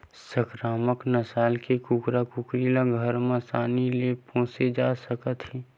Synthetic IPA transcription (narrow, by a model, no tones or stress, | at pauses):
səkɾaːməknɐsaːlkekukɾakukɾiːlaɡʱəɾmãsaːnilepõːsed͡ʒaːsəkət̪ɦi